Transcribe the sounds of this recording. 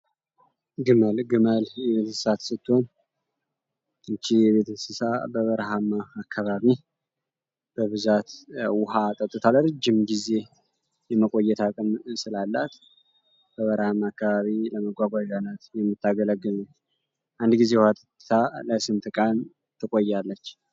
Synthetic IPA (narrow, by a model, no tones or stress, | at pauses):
ɡɨməlɡɨməljɛβet̪ʰəssat̪sɨt̪ʰːo̞n | ɨnt͡ʃːijɛβe̞t̪ʰəsɨsabəβəɾɦamaːkʰːaβaβi | b̥əβɨzat̪wʊɦat̪ʼət̪ʼːɨt̪ʰalɾɨd͡ʒːɪmɡize̞ | jɛməkʼo̞jːɛt̪ʰakʼɨmsɨlalːat̪ | b̥əβəɾhamaakːaβaβiləməɡʷaɡʷad͡ʒanat̪jɛmːɨt̪ːaɡələɡəlu | ʔand̪ɡize̞wʊhat̪ʼət̪ʼɨt̪ʰaləsɨmt̪ʰɨkʼan | t̪ʰɨkʼo̞jːalːət͡ʃː